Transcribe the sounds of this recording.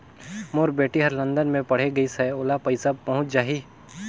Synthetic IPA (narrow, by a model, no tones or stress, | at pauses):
moːɾbeːʈiɦɐɾlə̃nd̪ənmẽpɐɽ̤eɡɐisɛoːlapɐɪsapɐɦʊ̃t͡ʃd͡ʒaːɦiː